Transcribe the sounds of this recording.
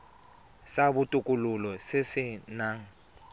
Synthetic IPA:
sabutʼukʼululɔsɪsɪnaːŋ̩

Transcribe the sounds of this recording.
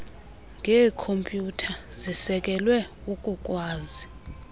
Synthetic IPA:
ŋɡʱɛːkʰompʼjutʰa | zisɛkʼɛlwɛukʼukʼwaːzi

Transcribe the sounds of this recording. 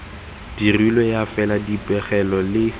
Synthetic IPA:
d̥irilɔjafɛladipʼɛχɛlɔlɪ

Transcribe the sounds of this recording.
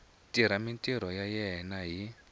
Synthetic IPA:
tʼiɾamintʼiɾɔjajɛɦɛnaɦi

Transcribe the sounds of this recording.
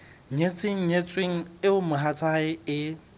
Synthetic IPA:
ɲet͡sʼɪŋ̩ɲet͡sʼweŋ̩ɪʊmʊɦat͡sʰaɪɪ

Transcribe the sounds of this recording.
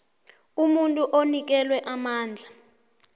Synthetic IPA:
umuntʼuʔonik̬ɛlwɛʔamaːnd͡ɮʱa

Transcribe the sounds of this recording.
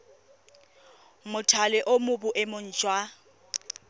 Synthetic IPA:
mʊtʰalɪʔʊmʊbʊʔɪmʊn̩ːt͡ʃʼwa

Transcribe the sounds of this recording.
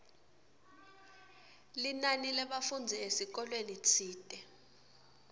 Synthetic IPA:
linanilɛɓafund͡zʱiesik̬ɔlwenit͡sʰiːtʼɛ

